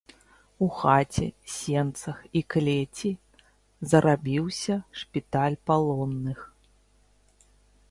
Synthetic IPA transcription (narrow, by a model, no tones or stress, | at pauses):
uxat͡sʲɛ̰sʲɛnt̪sɐxiklʲet͡sʲi | zɐɾʔabʲiwsʲɐʂpʲit̪alʲpalˠɔnːɨx